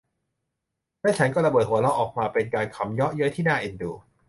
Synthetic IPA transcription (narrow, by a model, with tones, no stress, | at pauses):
la˥˨t͡ɕʰa˦˥nkɔː˥˩ɾa˧bɤː˨˩t̪̚hu˩˦əlɔ˦˥wʔɔː˨˩k̚maː˧pe˧nkaː˧nkʰa˩˦mjɔ˦˥ʔjɤ˦˥t̪ʰiː˥˩naː˥˩˨ʔe˧ndṵː˧˩